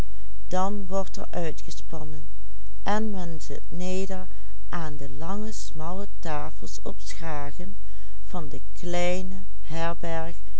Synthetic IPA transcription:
d̥ɑnʋɔɹtɛ̰ɹʔœɥtχəspɑnən | ʔɛnmɛnzɪt̚neːdəɹ | ʔaːndəlɑŋəsmɑlətaːfəlˠsɔpsχaːɣən | v̥ɑndəklɛjnə | hɛɹbɛɹχ

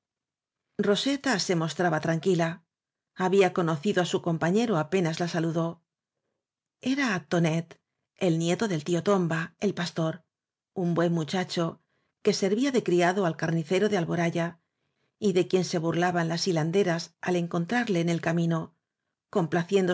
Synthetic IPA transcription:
ro̞se̞t̪ase̞mo̞st̪ɾaβat̪ɾaŋkila | aβiako̞no̞θiðo̞asuko̞mpaɲe̞ɾo̞ape̞nazlasaluðo̞ | e̞ɾaːt̪o̞ne̞t̪ | e̞lnje̞t̪o̞ðe̞lt̪io̞t̪o̞mbae̞lpast̪o̞ɾ | umbwe̞mːut͡ʃat͡ʃo̞ | ke̞se̞ɾβiaðe̞kɾiaðoalkaɾniθe̞ɾo̞ðe̞alβo̞ɾaʝa | iðe̞kje̞nse̞βuɾlaβanlasiland̪e̞ɾasale̞ŋko̞nt̪ɾaɾle̞ːne̞lkamĩno̞ | ko̞mplaθje̞nd̪o

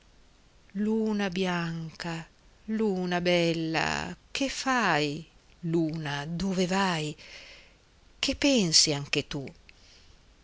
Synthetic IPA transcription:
luːnabjaŋka | luːnabɛlːa̰kʰefaj | luːnad̪ovevaj | k̟epːɛnsiaŋk̟et̪u

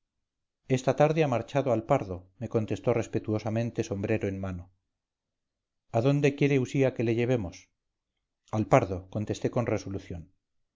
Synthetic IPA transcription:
e̞st̪at̪aɾðeamaɾt͡ʃaðoalpaɾðome̞ko̞nt̪e̞st̪ore̞spe̞t̪uosamẽ̞nt̪e̞so̞mbɾe̞ɾoenmano̞ | aðo̞nd̪e̞kje̞ɾe̞usiake̞leʝe̞β̞e̞mos | alpaɾðo̞ko̞nt̪e̞st̪e̞ko̞nreso̞luθjo̞n

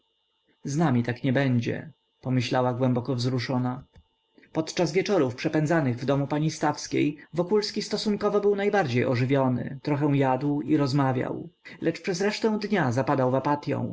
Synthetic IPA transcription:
znamʲit̪akɲɛbɛɲd͡ʑɛ̰ | pɔmɘɕlawaɡwɛ̃mbɔkɔvzɾuʂɔna | pɔt̪t͡ʂazvʲjɛt͡ʂɔɾufpʂɛpɛnd̪zanɘɣvd̪ɔmupaɲist̪afskʲḛjvɔkulskʲist̪ɔsuŋkɔvɔbɘwnajbaɾd͡ʑejɔʐɘvʲjɔnɘ̰t̪ɾɔxɛw̃jad̪wiɾɔzmavʲja̰wlʔɛt͡ʂpʂɛzɾɛʂt̪ɛ̃w̃d̪ɲazapad̪awvapat̪ʲjɔ̰̃w̃

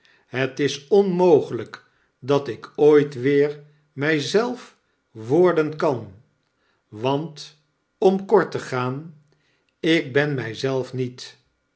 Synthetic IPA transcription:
ɦətɪsɔnmowχələk | dɑtɪkʰoːjtʋɪːɹ | mɛjzɛlˠf | ʋɔɹdənkɑn | ʋɑnt | ɔmkɔɹtəχaːn | ɪk̚bɛnmɛjzɛlˠfnit

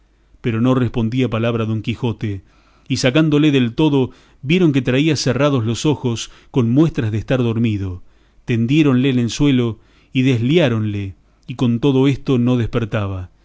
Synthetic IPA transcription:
peɾo̞no̞respo̞nd̪iapalaβɾaðo̞ŋkixo̞t̪e | isakand̪ole̞ðelt̪o̞ðo̞ | βje̞ɾo̞ŋk̬et̪ɾaiaseraðozlo̞so̞xo̞sko̞nmwe̞st̪ɾazðeːst̪aɾðoɾmiðo̞ | t̪e̞nd̪je̞ɾo̞nlenenswe̞lo | iðezljaɾo̞nle | iko̞nt̪o̞ðo̞est̪o̞no̞ðespeɾt̪aβ̞a

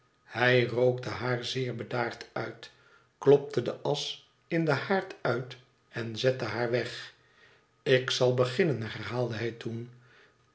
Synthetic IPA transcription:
hɛjrowk̚təɦaːɹzɪːɹbədaːɹtœɥt | klɔp̚tədəʔɑs | ɪndəhaːɹtœɥt | ɛnzɛtəɦaːɹʋɛχ | ɪksɑlˠbəχɪnənɦɛɹɦaːlˠdəɦɛjtun

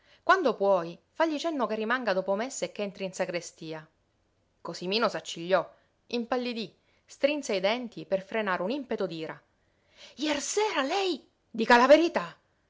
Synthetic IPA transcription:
kwand̪opwɔjfaʎːit͡ʃɛnːokerːimaŋɡad̪oːpomesːekːɛnt̪ɾinsakɾest̪iːa | kosimiːnosat͡ʃːiʎːɔ | impalːed̪i | st̪ɾinseaid̪ɛnt̪iperfɾenaːɾeunimpet̪od̪iːɾa | jɛrsɛːɾalɛj | d̪iːkalaveɾit̪a

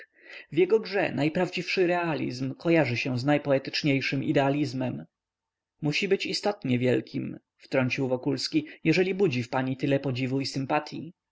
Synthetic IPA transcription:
vjɛɡɔɡʐɛ̰najpɾavd͡ʑifʂɘɾɛalʲḭzmkɔjaʐɘɕɛznajpɔɛt̪ɘ̥t͡ʂɲejʂɘmḭd̪ɛalʲizmɛm | muɕibɘt͡ɕist̪ɔt̪ɲɛvʲjɛlkʲʰim | ft̪ɾɔɲt͡ɕiwvɔkulskʲijɛʐɛlʲibud͡ʑifpaɲit̪ɘlɛpɔd͡ʑivuisɘmpat̪ʰʲjḭ

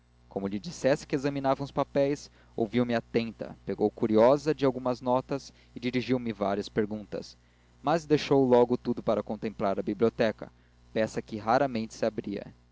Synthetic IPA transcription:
kõmʊʎid͡ʒisɛsɪ̥kɪezɐminavɐ̃w̃ʊspapɛjs | o̰wviwmɪat̪ẽnt̪ɐ̰peɡowkuɾiɔzɐd͡ʒɪawɡũmɐznɔt̪ɐs | ɪd͡ʒiɾiʒiwmɪva̰ɾiɐspeɾɡũnt̪ɐ̰s | mɐzd̪eʃowlɔɡʊt̪ud̪ʊpaɾɐkõnt̪ẽmplaɾɐbibliot̪ɛkɐ̰ | pɛsɐkɪɦaɾɐmẽnt͡ʃɪ̥sɪabɾiɐ̰

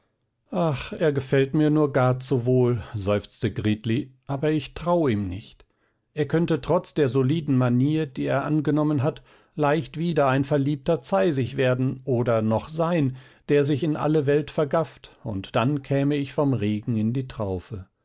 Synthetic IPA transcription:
ʔaχʔeːɐɡəfɛltmiːɐnuːɐɡaɐt͡suvoːlzɔʏft͡stəɡʁiːtliʔaːbɐɪçtʁ̥awəiːmnɪ̰çt | ʔeːɐkʰœntətʁ̥ɔt͡sd̥eːɐzoliːdn̩maniːɐd̥iːḛːɐʔanɡənɔmənɦat | laɪçtv̥iːdɐaɪnfɛɐliːp̚tɐt͡saɪzɪçv̥eːɐdn̩ʔoːdɐnɔχz̥aɪnd̥eːɐzɪçɪnʔa̰ləvɛltfɛɐɡaftʊ̰ntd̥ankʰɛːməɪçfɔmʁeːɡŋ̩ɪndiːtʁ̥aʊfə

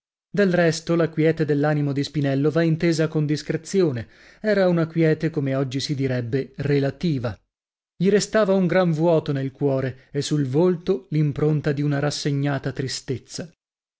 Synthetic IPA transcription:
d̪elrɛst̪olakwjɛːt̪ed̪elːaːnimod̪ispinɛlːovaint̪eːzakond̪iskɾet̪sːjoːne | ɛːɾaunakwjɛːt̪ekomeɔd͡ʒːisid̪iɾɛbːerelat̪iːva | ʎiɾest̪aːvauŋɡɾaɱvwɔːt̪onelkwɔːɾeesulvolt̪olimpɾont̪ad̪iunaɾasːeɲːaːt̪at̪ɾist̪et̪sːa

